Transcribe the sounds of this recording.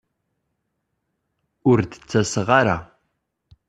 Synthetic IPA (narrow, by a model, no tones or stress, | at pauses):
ʊɾd̪ə̥t͡sːæsəʁaɾa̰